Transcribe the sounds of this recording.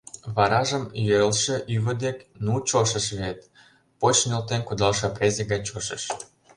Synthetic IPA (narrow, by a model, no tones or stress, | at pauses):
βɑɾɑʒəmjøɾəlʃĕʔyβə̆d̪eknut͡ɕoʃə̆ʃβet̪ | pot͡ɕnʲelt̪enkud̪ɑlʃɤ̆prezʲeɣɑt͡ɕoʃə̰ʃ